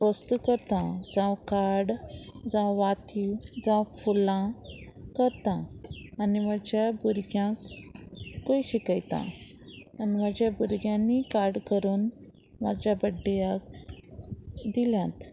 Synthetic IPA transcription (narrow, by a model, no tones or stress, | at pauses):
əst̪ukəɾt̪ad͡zãwkaɽd͡zãʋat̪iwd͡zãfulã | kəɾt̪ãː | nimad͡ʑjabuɾɡjãkː | ojɕikajt̪a̰ | anim̤ad͡ʑjabuɾɡjãnːikaɾɽkəɾuːn | mad͡ʑjabəɖːijak | d̪iljãt̪